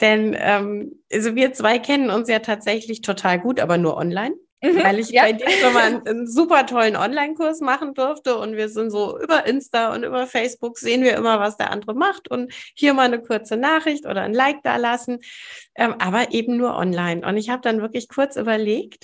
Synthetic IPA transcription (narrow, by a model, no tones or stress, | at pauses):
d̥ɛnʔɛ̰ːmʔalzoviːɐt͡sv̥aɪkʰɛnənʊnsjaːtʰaːtz̥ɛçlɪçtʰotʰaːlɡuːtʔa̰ːbɐnuːɐʔɔ̰nlaɪn | vaɪlɪçbaɪdiːvɛmannzuːpɐtʰɔlənʔɔ̰nlaɪnkʰʊɐsmaχn̩dʏɐftəʊntv̥iːɐzɪntz̥oːʔy̰ːbɐʔɪnstaʊ̰ntʔy̰ːbɐfɛɪsb̥ʊkz̥eːənviːɐʔɪ̰mɐvasd̥ḛɐʔa̰ndəʁəmaχtʊnthiːɐmaːlnəkʰʊɐt͡sənaːχʁ̥ɪçtʔo̰ːɾɐ̰nlaɪk̚d̥a̰ːlasn̩ʔɛːmʔaːbɐʔeːb̚m̩nuːɐʔɔ̰nlaɪnʔʊ̰ntɪçhaːbəd̥anvɪɐklɪçkʰʊɐt͡sʔy̰ːbɐleːkt